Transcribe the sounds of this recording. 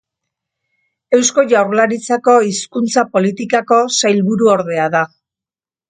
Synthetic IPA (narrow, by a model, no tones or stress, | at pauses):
e̞wsko̞ʝawɾlaɾit͡sako̞iskunt͡sapo̞lit̪ikako̞sajlβuɾuo̞ɾðe̞aða